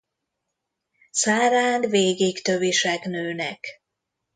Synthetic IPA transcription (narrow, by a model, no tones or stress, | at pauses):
saːɾaːnveːɡikt̪øviʃɛknøːnɛ̰k